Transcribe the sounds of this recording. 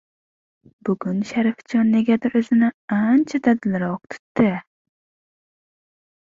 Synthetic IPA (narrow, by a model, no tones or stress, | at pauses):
bʊɡʊnʃaɾɪft͡ʃɒnːeɡʲad̪ɪʔɵzɪnɪant͡ʃʰad̪ad̪ɪlɾɒq̚t̪ʰʊ̥t̪ːɪ